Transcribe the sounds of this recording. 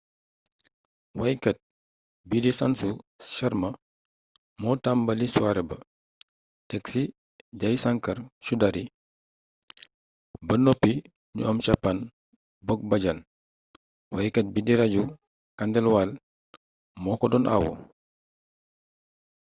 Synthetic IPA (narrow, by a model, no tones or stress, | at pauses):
wajkɐt̚ | bidisansuʃaɾmɐ | mɔtambɐliswaɾɛbɐ | tɛksi | ɟajsaŋkɐɾʃudaɾi | bɐnɔpːi | ɲṵɔmt͡ʃapːan | bɔk̚bɐɟal | wajkɐt̚bidiɾaɟu | kandɛlwal | mɔːkɔdɔnʔa̰wɔ̰